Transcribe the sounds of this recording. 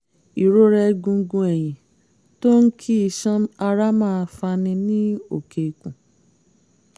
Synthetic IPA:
i˨ɾo˦ɾɛ˧ɡũ˧˦˧ɡũ˧ɛ˨j̃ĩ˨ | to˦ŋ̩˦kʰi˦i˧ʃã˦a˧ɾa˦mãː˦˧fa˧nĩ˧nĩ˦o˨ke˨˧kũ˨

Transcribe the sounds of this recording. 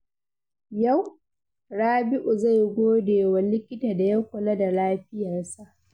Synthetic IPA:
ja˦˨w | ɽaː˦bɪ˦ʔu˨za˦˨jɡʷoː˦deː˨wɐ˨lɪ˦kʲɪ˦ta˨da˨ja˦kʷʊ˨lɐ˦da˨laː˦ɸɪ˦ja˨rsa˦ʔ

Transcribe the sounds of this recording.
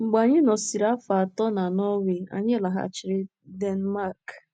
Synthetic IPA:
ŋ͡m̩˨ɡ͡ba˨ɲɪ˦nɔ˨si˨ɾa˦fa˨a˨tɔ˦na˨nɔ˦we˨a̰˨ɲɪ˦la˨ɦa̰˦˨t͡ʃɪ˨ɾɪ˦ | de˦n˦ma˦˨k

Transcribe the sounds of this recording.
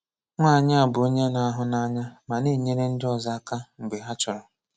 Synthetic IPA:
ŋʷaː˦˨ɲa˦a˨bʊ˨o˦ɲe˦na˨a˦ɦʊ˦na˦ɲa˦ma˨ne˦˨ɲe˦ɾe˦n̩˦dɪ˦ɔ˨za˦a˦ka˦ŋ͡m̩˨ɡ͡be˨ɦa˦t͡ʃʊ˨ɾɔ˨

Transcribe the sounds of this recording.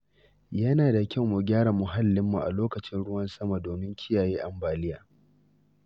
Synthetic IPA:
jɐ˦naː˨da˨kʲɐ˦wmu˨ɡʲaː˦ɽa˨mʊ˨ɦa˦lːɪ˦mːṵ˨ʔa̰˨loː˦kɐ˨t͡ʃɪ˦nɽʊ˦wɐ˦nsɐ˦ma˨doː˨mɪ˦ŋkʲʰɪ˦jaː˨jeː˦ʔa˨mbaː˨lɪ˦jaː˨

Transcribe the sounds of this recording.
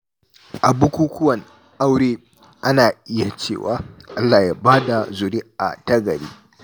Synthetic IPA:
ʔa˨bu˦kʷuː˦kʷʊ˦wɐ˨n | ʔa˦wɽeː˦ | ʔa˦naː˨ʔɪ˦ja˨t͡ʃḛː˦˨wa̰ː˦ʔa˦lːaː˨ja˦baː˦da˨zʊ˨ɾiː˦ʔa̰˨tɐ˦ɡɐ˨ɾḭː˦

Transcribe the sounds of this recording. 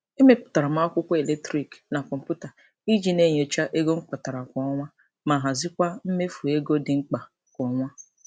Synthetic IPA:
e˦me˦pʊ̥˨ta˨ɾa˨ma˦ɔ˦kʷʊ˦kʷe˨le˦k̚tɾi˨kna˨kɔ˨m̩˨pu˦ta˨ | i˦d͡ʒi˦˨ne˦˨ɲ˨o˨t͡ʃa˦ʔe˦ɡo˦ŋ͡m̩˦k͡pa˨ta˨ɾa˨kʷɔ˨˦ŋʷa˦ | ma˨ɦa˨zɪ˦kʷa˦m̩˦me˦fu˨e˦ɡo˦dɪ˨ŋ͡m̩˦k͡pa˨ | kʷɔ˨˦ŋʷa˦

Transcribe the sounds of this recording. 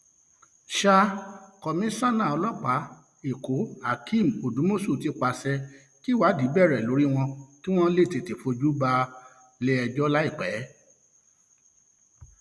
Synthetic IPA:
ʃa˧kɔ˨mĩ˨˦sã˦˨nã˦˨ɔ˧lɔ˦k͡pa˨˦ | e˨ko˨˦a˦˨kʰĩ˦˨m̩˨o˨du˨˦mo˦˨so˦˨ti˨˧˦k͡pa˧sɛ˧ | ki˦˨wa˨˦di˨˦bɛ˦˨ɾɛ˨lo˨˦ɾi˦w̃ɔ̃˧ki˦w̃ɔ̃˧˦le˦˨te˨te˨fo˧d͡ʒu˦ba˧ | le˧ɛ˧d͡ʒɔ˦la˦i˦˨k͡pɛ˨˦

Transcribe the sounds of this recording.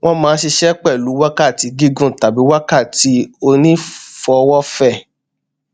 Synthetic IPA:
w̃ʔɔ̃˦mãː˨˦ʃi˧ʃɛ˦k͡pɛ˦˨lu˨˦wa˦ka˦˨ti˨˧˦ɡi˦ɡũ˦˨ta˨bi˨˦wa˦ka˦˨ti˨˦o˧nĩ˦fɔ˨˦˧wɔ˦fɛ˦˨

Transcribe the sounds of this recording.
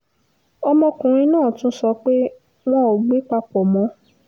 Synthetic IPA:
ɔ˧mɔ̃˧kũ˨ɾ̃ĩ˧nãː˦˨tũ˦sɔ˧k͡pe˦ | w̃ɔ̃˦o˨ɡ͡be˨˦k͡pa˧k͡pɔ˨mɔ̃˨˧˦

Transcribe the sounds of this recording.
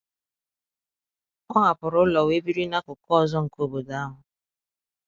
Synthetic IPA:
kɔ˦ŋa˨pʊ˨ɾʊ˦lɔ˨we˦bi˦ɾi˦na˦kʊ˨kɔ˦˨zɔ˦ŋ̩˨ko˦bo˨da˦ɦʊ˨

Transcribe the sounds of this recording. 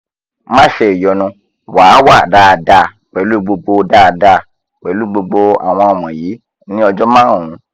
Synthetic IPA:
mã˦˨ʃɛ˧˨i˨jɔ˨nũ˧ | wa˨˦wa˦˨da˧˨da˧ | k͡pɛ˨˦lu˦˨ɡ͡bo˧ɡ͡bo˧da˦˨˧da˧˨ | k͡pɛ˨˦lu˦˨ɡ͡bo˧ɡ͡bo˧a̰˨w̃ɔ̃˧ɔ˨mɔ̃˨jiː˨˦ | nĩ˦ɔ˧d͡ʒɔ˦mãː˦˨ũ˨˦

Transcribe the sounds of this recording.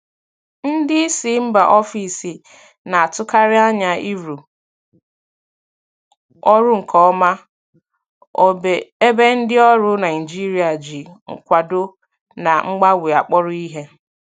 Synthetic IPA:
n̩˦dɪ˦i˦si˦m̩˦ba˨ʔɔ˦fi˨si˨ | na˨a˨tʊ˦ka˦ɾɪ˦a˦ɲa˦i˦ɾu˨ | ɔ˦ɾʊ˦ŋ̩˨kʰɔ˨˦ma˦ | o˨be˨e˦be˦n̩˦dɪ˦ɔ˦ɾʊ˦na˨ɪ˨d͡ʒi˦ɾi˦a˨d͡ʒi˨ŋ̩̰˨kʷa˨dʊ˦ | na˨ŋ͡m̩˦ɡ͡ba˦wʷi˨a˨k͡pɔ˦ɾʊ˦i˦ɦe˦

